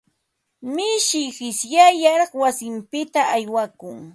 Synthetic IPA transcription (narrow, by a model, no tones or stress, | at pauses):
mɪʃɪhɪsjajaɾɑχwasɪmpɪt̪aːjwakʊŋ